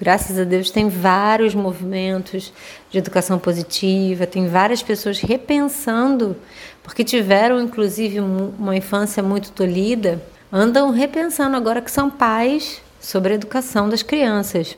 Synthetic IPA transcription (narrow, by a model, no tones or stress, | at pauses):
ɡɾasɐzad̪ewʃt̪ẽj̃vaɾjʊzmovimẽnt̪ʊzd͡ʒɪed̪ukasɐ̃w̃pozit͡ʃivɐt̪ẽj̃vaɾiɐspesoɐshepẽsɐ̃nd̪ʊpoχket͡ʃivɛɾɐ̃w̃ĩkluzivɪ̃ũmɐĩfɐ̃siɐmũj̃t̪ʊ̥t̪olid̪ɐ | ɐ̃nd̪ɐ̃w̃ɦepẽsɐ̃nd̪ʊaɡɔɾɐkɪ̥sɐ̃w̃pajs | sobɾɪɐed̪ukasɐ̃w̃d̪ɐskɾiɐ̃sɐs